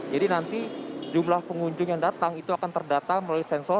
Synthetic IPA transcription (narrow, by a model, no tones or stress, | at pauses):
d͡ʒadinant̪id͡ʒumlahpəŋuɲd͡ʒʊŋjaŋdat̪aŋit̪uakant̪ərdat̪aŋməlawisɛnsɔ